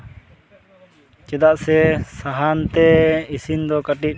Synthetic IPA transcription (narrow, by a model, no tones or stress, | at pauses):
t͡ʃɛd̪aʔsɛsaɦant̪ɛisind̪ɔkaʈiʔ̚